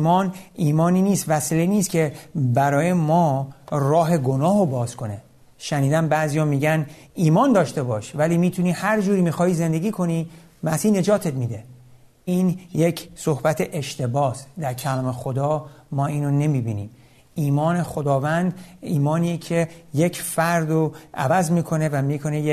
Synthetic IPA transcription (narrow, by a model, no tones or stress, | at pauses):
imɒːniːmɒːniːniːst̪væsiːleniːst̪kʲʰebæɾɒːje̞mɒːrɒːɦe̞ɡo̞nɒːɦobɒːzkʰo̞ne̞ | ʃæniːd̪ænbæzijɒːmiːɟæn | iːmɒːnd̪ɒːʃt̪e̞bɒːʃvæliːmiːt̪ʰunihæɾd͡ʒuːɾiːmixɒːhiːze̞nd̪e̞ɡiːkʰo̞ni | mæsiːne̞d͡ʒɒːt̪ʰet̪miːd̪e̞ | iːnje̞cʰso̞hbæt̪ʰeʔeʃt̪ʰe̞bɒːsd̪æɾcʰælɒːmexod̪ɒːmɒːiːnone̞miːbiːnḭːm | iːmɒːne̞xo̞d̪ɒːvænd̪iːmɒːniːjecʰe̞jecʰfæɾd̪oʔæ̰væzmiːkʰo̞ne̞væmiːkʰo̞neje